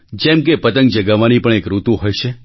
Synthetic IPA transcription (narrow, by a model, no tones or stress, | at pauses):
d͡ʒɛ̃mkepət̪əŋɡd͡ʒəɡaʋanipəɳ̃ekɾut̪uɦojʃʰe